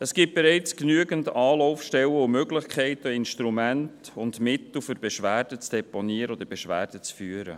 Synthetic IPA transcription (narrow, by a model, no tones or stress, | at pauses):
əsɡ̥iːp̚b̥eɾɛɪt͡sknyəɡəntɑːlɔʊfʃtɛlwəʊmøɡlɪχkʰɛɪtəɪnʃtɾumæntʊndmɪt̪l̩fʏɾb̥ɛʃʋæːrd̥ət͡sd̥ɛponiːəɾəod̥̪əɾb̥ɛʃʋæ̰ːɾd̥ət͡sfyːəɾə̰